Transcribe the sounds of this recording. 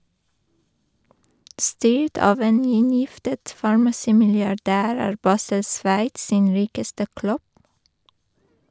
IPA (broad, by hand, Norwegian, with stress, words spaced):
ˈstyːʈ ˈɑːʋ ˈeːn ˈɪnjɪftət fɑɹmɑˈsiːmɪlɪɑˌɖæːɾ ˈæːɹ ˈbɑːsəl ˈsʋæɪts ˈsiːn ˈɾiːkəstə ˈklʉb